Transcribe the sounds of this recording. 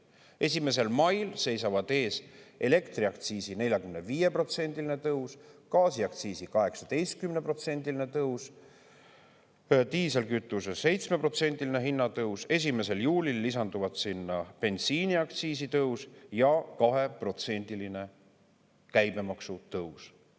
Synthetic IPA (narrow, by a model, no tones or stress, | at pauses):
e̞s̬ʲime̞s̬e̞lmɑjlse̞jsɑvɑd̪̥e̞ːsʔe̞le̞kt̪riɑkt̪siːsine̞lʲjɑkymne̞viːje̞pro̞t̪se̞nʲd̪ilinet̪ɤuskɑːsiɑk̚t̪siːsikɑɦe̞ksɑd̪̥e̞jst̪̚kymnepro̞t̪se̞nʲd̪̥ilinet̪ɤws | t̪iːselkyt̪ːˑusese̞jt̪sme̞pro̞t̪se̞nʲd̪̥iline̞ɦinːɑt̪ɤwse̞s̬ʲime̞se̞ljuːlilːis̬ɑnd̪uvɑt̪sinːɑpe̞nsiːniɑkt̪siːsit̪ɤusjɑkɑɦe̞pro̞t̪se̞nʲd̪̥iline̞ | kæjme̞mɑksut̪ɤws